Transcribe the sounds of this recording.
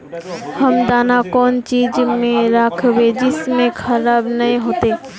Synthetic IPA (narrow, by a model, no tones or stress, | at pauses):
hɐmd̪aːnakɔːnt͡ʃiːd͡ʒmẽɾakʰʋed͡ʒɪsmẽkʰɐɾaːbnɐĩɦoːt̪eː